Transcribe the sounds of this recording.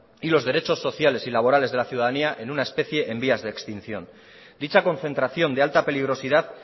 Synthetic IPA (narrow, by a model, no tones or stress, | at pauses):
ilo̞zðe̞ɾe̞t͡ʃo̞sːo̞θjale̞silaβ̞o̞ɾale̞zðe̞laθjuwðaðaniaʔe̞nunaespe̞θje̞ʔembiazðeːkst̪in̟θjo̞̰n | d̪it͡ʃako̞n̟θe̞nt̪ɾaθjo̞nd̪ealt̪ape̞liɣ̞ɾo̞siðað